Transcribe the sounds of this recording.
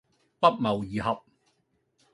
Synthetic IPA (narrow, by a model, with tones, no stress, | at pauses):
pɐ˥t̚mɐ˨wjiː˨ɦɐ˨p̚